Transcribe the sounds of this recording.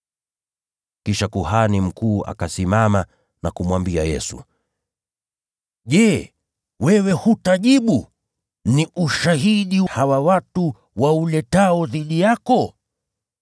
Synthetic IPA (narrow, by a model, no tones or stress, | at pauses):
kiʃakuhanim̩kuːa̰kasimama | nakumwambiajɛ̰sṵ | ʄɛ | wɛwɛhutaʄiɓu | niʔuʃaɦiɗihawawatu | waulɛtaɔðiɗijakɔ